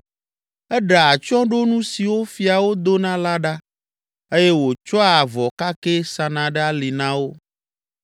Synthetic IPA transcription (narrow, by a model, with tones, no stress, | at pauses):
ɛ˦ɖa˨a˨t͡ʃɔ̃˦ɖo˦nũ˦si˨wo˦fi˨a˨wo˦d̪o˦nã˦la˦ɖa˦ | e˦je˦wo˨t͡ʃɔ˦a˨vɔ˨ka˦ke˦sa˨nã˨ɖa˦li˨nã˦wo˦